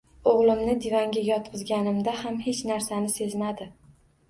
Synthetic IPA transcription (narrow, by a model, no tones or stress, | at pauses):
oʁlˠɪmnɪd̪ivaŋɡʲajʲjɒt̪̚qʰɨzɡʲanɪmd̪ahamhe̞t͡ʃnaɾsanɪse̞zmad̪ɪ